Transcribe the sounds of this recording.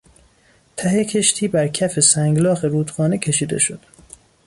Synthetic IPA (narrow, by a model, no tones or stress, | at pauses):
t̪ʰæhecʰe̞ʃt̪ʰiːbæɾcʰæfe̞sæŋɡlɒːɣe̞ɾuːt̪ʰxɒːnecʰe̞ʃiːd̪e̞̰ʃo̞̰d̪̥